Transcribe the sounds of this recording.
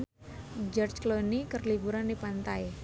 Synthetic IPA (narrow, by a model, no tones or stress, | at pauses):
d͡ʒɔrt͡ʃklonikərlibuɾandipant̪aj